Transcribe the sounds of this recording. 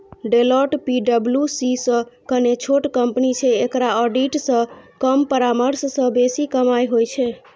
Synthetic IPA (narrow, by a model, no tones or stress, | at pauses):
ɖelɔʈpiɖəbljusisə̃kənet͡ʃʰoʈkəmpnit͡ʃʰɛekɾaɔɖiʈsə̃kəmpəɾaməɾsːə̃besikəmajɦojt͡ʃʰɛ